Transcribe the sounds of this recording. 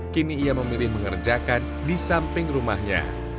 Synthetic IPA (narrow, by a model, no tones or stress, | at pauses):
kiniːaməmilɪhməŋərd͡ʒakan | disampɪŋrumahɲa̰